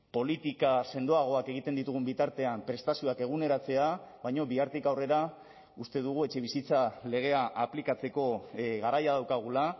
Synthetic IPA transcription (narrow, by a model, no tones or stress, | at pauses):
po̞lit̪ikase̞nd̪o̞aɣ̞o̞ake̞ɣ̞it̪e̞nd̪it̪uɣ̞umbit̪aɾt̪e̞ampɾe̞st̪asioake̞ɣ̞une̞ɾat͡se̞aβajɲo̞βiaɾt̪ikawre̞ɾa | ust̪e̞ðuɣue̞t͡ʃe̞βisit͡sale̞ɣ̞e̞aʔaplikat͡se̞ko̞ɣaɾajað̞awkaɣula